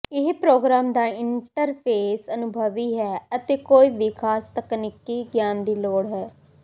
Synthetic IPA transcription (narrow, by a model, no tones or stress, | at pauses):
ɪɦpɾoːɡɾaːmd̪aːɪɳʈəɾpʰeːsənʊbʱəʋiːɦɛːət̪eːkoːiːʋɪkʰaːst̪əknɪkːiːɡjaːnd̪iːloːɽɦɛː